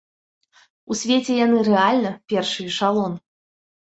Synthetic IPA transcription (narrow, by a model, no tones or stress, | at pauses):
usʲvʲet͡sʲɛjanɨɾɛalʲnɐpʲɛrʂɨjʂalˠɔn